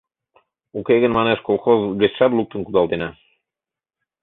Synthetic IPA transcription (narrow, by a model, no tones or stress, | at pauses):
ukeɡɘ̆nmɑneʃkolˠxozvʲetʃɑb̪lˠuk̚t̪ɤ̆nkud̪ɑlˠd̪enæ